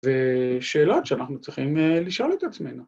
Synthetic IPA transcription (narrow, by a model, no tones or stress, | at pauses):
veʃeːlot̪ʃeanaχnut͡sʁiχimliʃo̞let̪at͡sme̞jnu